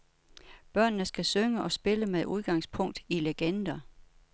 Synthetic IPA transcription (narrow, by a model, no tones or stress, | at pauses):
b̥ɶɐ̰nːəsɡ̥æsøŋəʔɒ̽sb̥e̝ləmeðˠʔuð̞ˠɡ̥ɑ̈ŋ̰spʰɔ̽ŋ̰d̥ileɡ̥end̥ɐ